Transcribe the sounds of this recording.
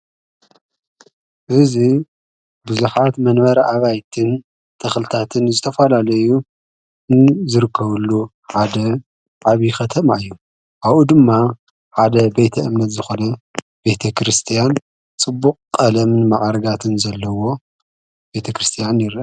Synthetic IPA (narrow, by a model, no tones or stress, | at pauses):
ʔɨzi | bɨzuħat̪mɐnβɐɾɐʔaβajt̪ʰɨn | t̪ʰɐxlɨt̪ʰat̪ʰɨnzɨt̪ʰɐfɐlalɐju | zɨɾɨkʰːɐβɨlːu | ħad̪ɐ | ʕaβjixɐt̪ʰɐmaɨjːu | ʔaβud̪ɨmːa | ħad̪ɐbe̞t̪ʰɐʔɨmnɐt̪zɨxo̞nɐ | be̞t̪ʰɐkʰɾɨst̪ʰijan | t͡sʼɨbːukʼkʼɐlɐmnma̰ʕaɾɐɡat̪ʰɨnzɐlːɐwo̞ | be̞t̪ʰɐkɾɨst̪ʰijanjɪɾi